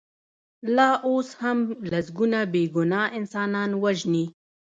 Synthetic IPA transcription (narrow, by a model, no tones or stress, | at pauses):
lɑːʔoːshamlasɡunabeːɡʊnɑːɪnsɑːnɑːnwaʒni